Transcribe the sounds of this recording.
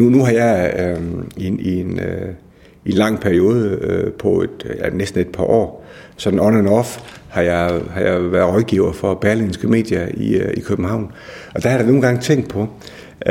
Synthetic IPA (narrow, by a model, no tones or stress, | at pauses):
nunuɦɑ̈jɑ̈ɪ | iien | ie̝nlɑ̈ŋ̰pʰæɐio̝ːð̞ˠəøpʰɒ̽e̝d̥jænesd̥n̩e̝d̥̚pʰɑ̈ʔɒ̰ːsɒ̽d̥n̩ɒnænɒfhɑ̈jɑ̈ɪhɑ̈jɑ̈ɪʋæɐðˠʁɒ̽ðˠɡ̥iʊ̰ɐfɒ̽b̥æɐlinsɡ̥əme̝̰ːd̥jɐiikʰøb̥m̩hɑ̈ʊ̰n | ɒ̽d̥ɑhɑ̈ɾɑno̝ːn̩ɡɑ̈ŋt͡sʰeŋ̰ɡd̥̚pʰɒ̽